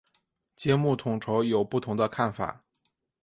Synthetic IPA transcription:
t͡ɕjɛ˥mu˥˩t̪ʰʊ˨˩ŋʈ͡ʂʰo˧˥ʊjo˨˩ʊpu˥˩t̪ʰʊ˧˥ŋd̪ə˧kʰa˥˩nfa̰˨˩˦

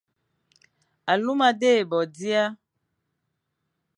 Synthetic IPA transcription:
a˨lu˦ma˨de˦e˨bɔ˨di˦a˦

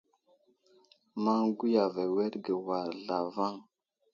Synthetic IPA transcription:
ma˦ŋɡu˦ja˨ve˨we˦ɾɡə˨wa˨ɾɮa˨va˦ŋ

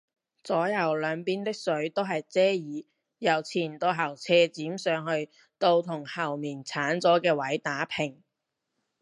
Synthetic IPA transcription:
t͡sɔː˨˥jɐ˨˩wlœː˨˧ŋpiː˥nt̪ɪ˥k̚sɵ˨˥ɥt̪o˥wɦɐ˨jt͡sɛː˥jiː˨˧˥ | jɐ˨˩wt͡sʰiː˨˩nt̪o˧ɦɐ˨˩wt͡sʰɛː˧t͡siː˨˥msœː˨˧ŋhɵ˧ɥ | t̪o˧wt̪ʰʊ˨˩ŋhɐ˨˩wmiː˨˩nt͡sʰaː˨˥nt͡sɔː˨˥kɛː˧wɐ˨˥jt̪aː˨˥pʰɪ˨˩ŋ

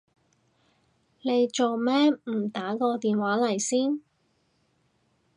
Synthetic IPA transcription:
ne˨˧jt͡ʃo˨wmɛː˥m̩˨˩t̪aː˨˥kɔː˧t̪iː˨nwaː˨˥lɐ˨˩jsiː˥n

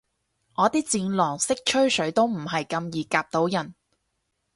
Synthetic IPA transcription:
ŋɔː˨˧t̪iː˥t͡siː˧nlɔː˨˩ŋsɪ˥k̚t͡ʃʰɵ˥ɥsɵ˨˥ɥt̪o˥wm̩˨˩ɦɐ˨jkɐ˧mjiː˨kaː˧p̚t̪o˨˥wjɐ˨˩n

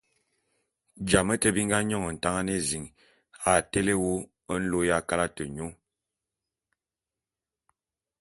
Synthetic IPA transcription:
d͡ʒa˨mə˦tə˦bi˦ŋ˦ɡa˦ɲɔ˦ŋə˨n̩˨ta˦ŋa˦ne˦zi˨ŋ | a˨te˦le˦wo˦ | ə˦n̩˦lo˦ja˦ka˦la˦tə˨ɲo˦ŋ

